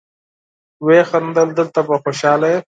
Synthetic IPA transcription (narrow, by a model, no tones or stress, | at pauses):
weːxɐnd̪əld̪əlt̪apɐxoʃɑːlae